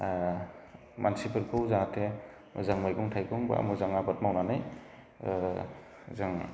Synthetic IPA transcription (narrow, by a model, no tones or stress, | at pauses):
mansipɯɾkʰɯwzatʰe | zaŋmajkɔŋtʰajkɔŋba̰mɯzaŋabat̚mawnanɯj | zaŋ